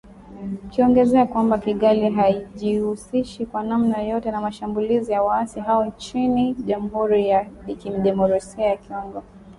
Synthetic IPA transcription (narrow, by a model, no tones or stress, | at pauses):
kiɔŋɡɛzɛakwambakiɠaliɦaiʄihusiʃikwanamnajɔjɔtɛnamaʃambulizijawaasiɦaɔnt͡ʃiniʄamuɦuɾijalikim̩ɗɛmɔɾasiajakiɔŋɡɔ